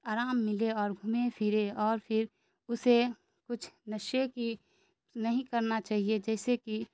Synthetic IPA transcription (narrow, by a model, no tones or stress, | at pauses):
aːɾaːmːɪleɔːɾɡʱʊmepʰɪɾeɔːɾpʰɪɾ | ʊse | kʊt͡ʃʰnɐʃeki | nɐɦĩkɐɾnat͡ʃaːɦied͡ʒɛːseki